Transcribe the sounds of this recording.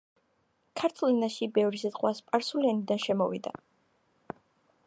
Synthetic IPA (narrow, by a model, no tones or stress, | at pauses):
kʰaɾt̪ʰulˠinaʃibɛvɾisɛzqʼwaspʼaɾsulianid̪anʃɛmɔvḭd̪a̰